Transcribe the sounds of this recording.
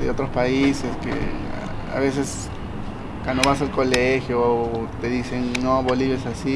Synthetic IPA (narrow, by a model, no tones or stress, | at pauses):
ðḛot̪ɾospaiseskḛ | a̰βes̬es | kwand̪oβas̬alkolexjoːt̪eðisennoβoliβesasi